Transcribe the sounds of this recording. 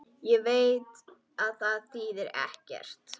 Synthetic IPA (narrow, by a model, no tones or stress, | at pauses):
jɛveːjt̪ | aðθaðθiðɛɾɛ̰hcɛ̰r̥t̪